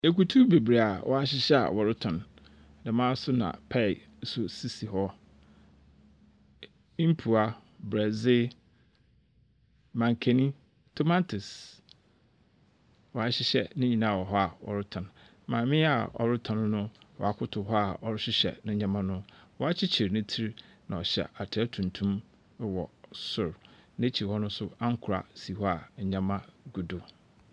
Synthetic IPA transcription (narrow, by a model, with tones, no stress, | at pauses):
e˨ku˨tʰu˦be˨bɾe˨a˨wʔɔ˨a˦ɕɪ˦ɕɛ˦a̰˨wɔ˨ɾɪ˦tʰɔ̃˨n | dã˨mãː˦sʊ˦nã̰˨pʰɛ˦˨˦ | sʊ˨si˦si˨ɦɔ˦ | ĩ˦m̩˦pʰu˨a˨ | bɾɛ˨zɪ˦ | mã˨ŋ˨kʰe˨nĩ˦ | tʰo˦mã˦tʰʊ˨s | wɔ˨a˨ɕɪ˦ɕɛ̰˦nɪ̃˦ɲĩ˨nã˦˨wɔ˨ɦɔ˦a˨ɔ̰˨ɾʊ˦tʰã˨n | mã˨˦mɪ̃˦a˨ɔ̰˨ɾʊ˦tʰã˨ñ˦nʊ̃˦ | wɔ̰˨a˨kʰʊ˦tʰʊ˨ɦɔ˦a˨ɔ˨ɾɪ˦ɕɪ˦ɕɛ̰˨nã˦ɲã˦mã˦nʊ̃˦wɔ˨a˦t͡ɕʰɪ˦t͡ɕʰɪ˨ɾnɪ̃˦tʰi˦ɾ | nã˨ɔ˨ɕɛ̰˨ʔa˨tʰɪ˨˦ɛ˦tʰũ˨ntʰũ˦m˦ | wɔ˨sʊ˨ɾnã˦t͡ɕʰi˨ɾhɔ˦nʊ̃˦sʊ˦a˦ŋ̩˦kʰʊ˨ɾa̰˨si˨hɔ˦a˨ɲã˦mã˦ɡu˨dʊ˨